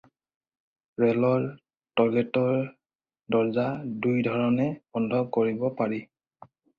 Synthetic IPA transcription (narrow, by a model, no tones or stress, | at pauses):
ɹɛlɔɹ | tɔɹɡɛtɔɹ | dɔɹzadujdʱɔɹɔnɛbɔndʱɔkoɹibɔpaɹi